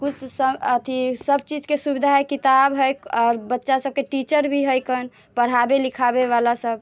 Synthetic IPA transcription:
kut͡ʃʰsəət̪ʰisəb̚ʱt͡ʃid͡ʒkesubid̪ʱaɦekit̪abɦəjɔːɾbətːʃasəb̚keʈit͡ʃəɾbʱiɦəjkən | pəɽ̤abelikʰabeʋalasəb̚

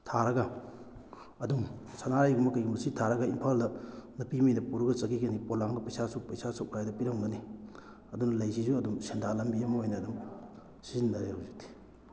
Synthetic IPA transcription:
tʰaɾɐɡɐ | ɐduŋsanaɾajɡumɐkɐjɡimɐsitʰaɾɐɡɐimpʰaldɐnɐpiminɐpuɾuɡɐt͡ʃɐɡiɡɐnipolaŋdɐpɐjsasuk̚pɐjsasok̚lajdɐpiɾɐŋɡɐni | ɐdunɐlɐjsisuɐdumsendalɐmbiɐmɐojnɐːdum | sizindɐɾehawzik̚tʰi̥

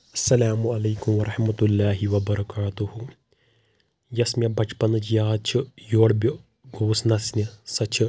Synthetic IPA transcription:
ɐsːɐlaːmuɐlɐːkumʋɐɾɐħmɐt̪ulːaːɦiʋɐbɐɾɐkaːt̪uhu | jɐsmʲɐbɐt͡ʃpɐnɨt͡ʃʰjaːt͡ʃʰijoːɽbʲo | ɡoːsnɐsnisɐt͡ʃʰi

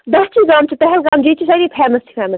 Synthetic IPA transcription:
d̪ɐst͡ʃʰiːɡaːmt͡ʃʰipɛɦɛlɡaːmd͡ʒiːt͡ʃʰisɐɾiːpʰɛːmɐst̪ʰi̥pʰɛːmɐs

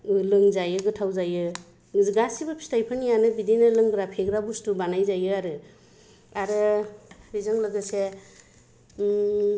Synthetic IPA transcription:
lɯŋzajɯɡɯtʰawzajɯ | ŋɯziɡasibɯpʰi̥stʰajpʰɯnijanɯbidinɯlɯŋɡɾapʰeɡɾabustubanajzajɯaɾɯ | aɾɯɾizaŋlɯɡɯse

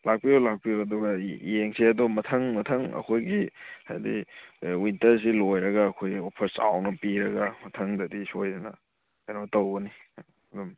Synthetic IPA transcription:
lak̚pijowlak̚pijoɐduɡɐieŋsiɐdɔmɐtʰɐŋmɐtʰɐŋɐ̰kʰojɡiha̰jdḭwintɐɾs̬ilojɾɐɡɐːkʰojopʰɐɾsa̰wnɐpiɾɐɡɐmɐtʰɐŋdɐdisojdɐnɐ | anɐtɐwɡɐni | ɐdɔm

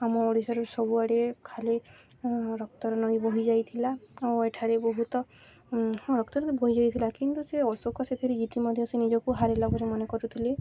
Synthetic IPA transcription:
amɔoɽisɔɾɔsɔbuaɽekʰale | ɾɔk̚t̪ɔɾɔnɔjbɔɦid͡ʒajt̪ʰilaoeʈʰaɾebɔɦut̪ɔ | ɾɔkt̪ɔɾɔd̪bɔɦid͡ʒajt̪ʰilakint̪useɔsokɔset̪ʰɔɾiiʈimɔd̪ʱjsenid͡ʒɔkuɦaɾelaɡʱɔɾemɔnekɔɾut̪ʰile

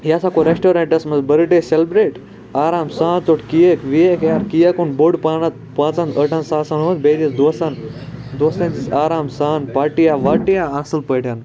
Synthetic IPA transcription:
ɦiasakoɾesʈoːɾeɳʈɐsmɐzbɐɾiʈeselbɾeːʈ | aːɾaːmsãːnt͡soʈʰkijekʋijekjaɾkijakunboɽpaːnat̪̚pãːt͡sãnt̪əʈʰãnsaːsãnɦoət̪bed̪isd̪osand̪osẽnt͡sit͡saːɾaːmsaːnpaːʈijaʋaːʈijaasɨlpəjʈʰjan

